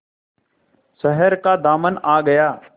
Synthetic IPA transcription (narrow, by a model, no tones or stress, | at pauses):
səɦɛɾkad̪aːmənaːɡɐjaː